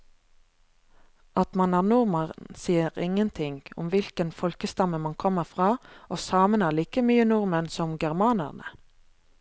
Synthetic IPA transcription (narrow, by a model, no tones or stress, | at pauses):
ʔɑt̪mɑnæːʁnʊʁməʁnsiːəʁɪŋənt̪ʰɪŋɡʊ̰mʋɪlkənfɔlkəst̪ɑməmɑnkʰɔməʁfʁɑːʔoːsɑːmənæːʁliːkəmyːənʊʁmənsɔmɡæʁmɑːnə̰ʁnə̰